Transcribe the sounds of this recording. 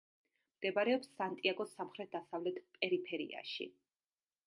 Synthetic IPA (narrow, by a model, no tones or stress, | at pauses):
md̪̥ɛbaɾɛɔpsːant̪ʼiaɡɔsamχɾɛt̪̚d̪asavlɛt̪ʰpʼɛɾipʰɛɾḭa̰ʃḭ